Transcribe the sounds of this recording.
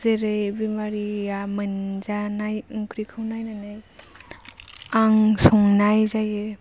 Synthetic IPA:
zeɾejbimaɾiamɯnzanajŋkʰɾikʰɯwnajnanɯj | aŋsɔŋnajzaje

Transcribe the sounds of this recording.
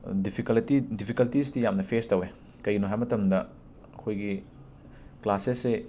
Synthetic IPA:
dipʰikɐltidipʰikɐltis̬tijamnɐpʰestɐwe | kɐjɡinoɦajmɐtɐmdɐ | kʰojɡi | klasese

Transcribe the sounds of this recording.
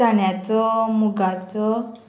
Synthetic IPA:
aɳjat͡sɔmuɡat͡sɔ

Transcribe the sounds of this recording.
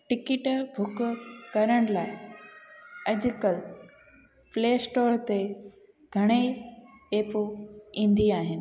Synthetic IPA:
ʈɪkɪʈbʱʊkʊkɐɾəɽ̃laːɪ | ɐd͡ʑʊ̆kəl | fleːsʈoːɾt̪e | ɡʱɐɽ̃e | eːpuĩːnd̪iaːɦɪnɪ̆

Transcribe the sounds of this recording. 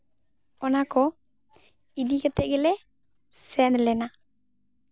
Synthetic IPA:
ɔnakɔ | idikat̪ɛɡɪlɛ | sɛnlɛna

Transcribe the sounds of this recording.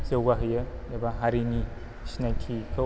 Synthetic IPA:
sewɡaɦɯjadabaɦaɾini | snajkʰikʰɯ

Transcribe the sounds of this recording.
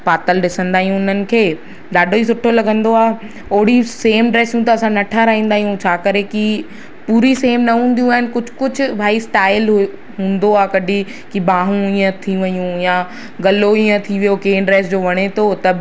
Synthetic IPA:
paːt̪əlɗɪsə̃nd̪aːɦijũʊn̤ənɪ̆kʰeː | ɗaːɖʱois̬ʊʈʰolɐɡə̃nd̪oaː | oːɦɽiseːmɖɾeːsjũt̪ɐɐsãnɐʈʰaɾaɦĩːnd̪aːɦijũt͡ɕʰaːkɐɾeki | puːɾiseːmnɐɦũːn̆d̪ijũaːɦɪnɪ̆kʊd͡ʑʱʊ̥kʊd͡ʑʱʊ̆bʱaːisʈaːɪl | ɦũːn̆d̪oaːkɐɗʱi | kibaːɦũiːə̃t̪ʰiʋɐjũjã | ɡɐloiːə̃t̪ʰiʋijokeːɳɖɾeːs̬d͡ʑoːʋɐɽ̃et̪ʰot̪ɐb

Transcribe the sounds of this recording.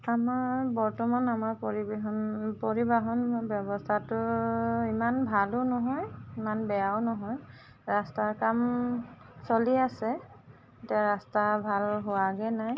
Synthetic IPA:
amaɹbɔɹtɔmanamaɹpɔɹibɦɔnpoɹibaɦɔnbjɔbɔstʰatʊimanbʱalʊnɔɦɔjimanbɛjawnɔɦɔj | ɹastakam | soliasɛ | etiaɹastabʱalɦʊwaɡɛnaj

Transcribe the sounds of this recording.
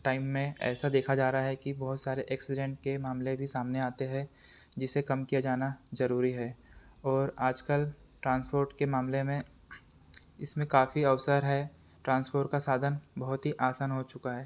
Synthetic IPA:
ʈaːɪmːẽɛ̰ːsad̪eːkʰad͡ʒaːɾaɦaɦɛkibɔɦʊt̪saːɾeʔɛːksɪɖɛ̃ɳʈ̚kemaːmlẽbʱisaːmneaːt̪eɦɛ̃d͡ʒɪsekɐmkijad͡ʒaːnazɐɾuːɾiɦɛː | ɔːɾaːd͡ʒkəlʈɾãːnspoːɾʈkemaːmlemẽ | ɪsmẽkaːfiɐʋsəɾɦɛ | ʈɾãːnspoːɾʈ̚kasaːd̪ʱənbɐɦʊt̪ɦiʔaːsaːnɦot͡ʃʊkaɦɛː

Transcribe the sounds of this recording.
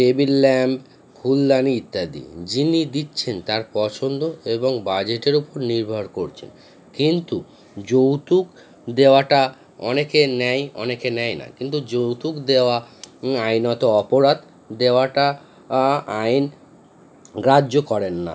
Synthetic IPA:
ʈebilːɛmb | kʰulːaniit̪ːad̪ḭd͡ʑinid̪itːɕʰent̪aɾpɔt͡ɕʰond̪oeboŋbad͡ʑeʈeɾupoɾniɾbʱaɽkoɾt͡ɕʰḛn | kint̪u | d͡ʑowt̪uk | d̪eoaʈa | ɔ̰nekenɛjɔ̰nekenɛjna̰kint̪̬ud͡ʑowt̪ukd̪eoaajnɔt̪oɔpoɾad̪ | d̪eoaʈa | ajn | ɡɾadːd͡ʑokɔɾenːa̰

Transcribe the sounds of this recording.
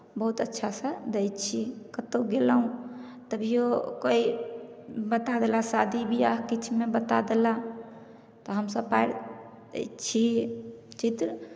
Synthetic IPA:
bəɦut̪ətːʃʰasəd̪ejtt͡ʃʰikət̪oɡelaɦũ | t̪əbʱijokoi | bət̪ad̪elasad̪ʱibʱiaɦkit͡ʃʰmebət̪ad̪ela | t̪ɔɦəmsəbpajɾ̰ | t͡ʃʰi | t͡ʃit̪ɾ

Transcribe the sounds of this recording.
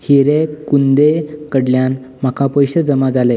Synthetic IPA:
hiɾekund̪ekəɽljan | m̤akapəjɕəd͡zəmad͡zale

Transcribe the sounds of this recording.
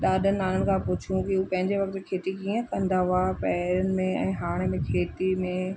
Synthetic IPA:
ɗaːdʱən̆aːləɽ̃ɪ̆kʰãpʊt͡ɕʰijũkiuːpɐ̃ɦɪ̃ɲd͡ʑeʋɐk̚t̪kʰeːt̪ikiːə̃kɐ̃nd̪aapɛːɾənɪ̆mẽɛ̃ːɦaːɽ̃emẽkʰeːt̪imẽ

